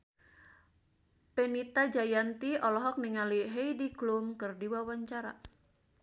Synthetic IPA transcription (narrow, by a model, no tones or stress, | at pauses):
penit̪ad͡ʒajant̪iɔlɔɦɔk̚niŋaliɦejdiɡlumkɨrdiwawaɲt͡ʃaɾa̰